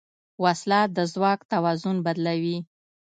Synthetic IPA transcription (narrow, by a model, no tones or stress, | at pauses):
waslɑt̪̚d̪əzwɑkt̪awɑzʊnbad̪lawi